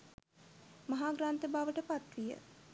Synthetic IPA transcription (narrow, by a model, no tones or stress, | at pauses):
mɐɦaːɡɾaːnt̪əbaʋəʈəpat̪ʋijə̰